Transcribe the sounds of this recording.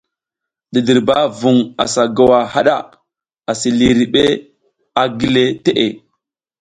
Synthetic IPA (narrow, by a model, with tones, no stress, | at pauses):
ɗi˨di˨ɾba˦vu˨ŋa̰˨sa˨ɡa˨wa˨ha˦ɗa̰˦˨ | a˨si˨li˨ɾi˨ɓe˦ | a˨ɡi˦le˦te˦ʔe˨